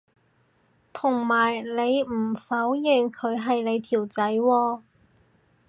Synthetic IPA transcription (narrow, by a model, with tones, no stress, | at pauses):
t̪ʰʊ˨˩ŋmaː˨˩jle˨˧jm̩˨˩fɐ˨˥wjɪ˨˩ŋkʰɵ˨˧ɥɦɐ˨jle˨˧jt̪ʰiː˨˩wt͡sɐ˨˥jwɔː˧